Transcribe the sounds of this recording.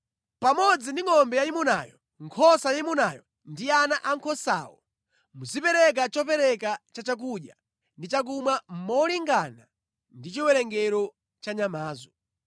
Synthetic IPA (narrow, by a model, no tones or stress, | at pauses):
pamɔd͡zindiŋɔmbɛjaimuna̰jɔ | ŋkʰɔsajimunajɔ | ndianaʔaŋkʰɔsa̰ːwɔ̰ | muzipɛɾɛk̬at͡ʃɔpɛɾɛkat͡ʃat͡ʃak̬uɗja | ndit͡ʃak̬umwamɔliŋɡana | ndit͡ʃiwɛɾɛŋɡɛɾɔ | t͡ʃaɲamaːzɔ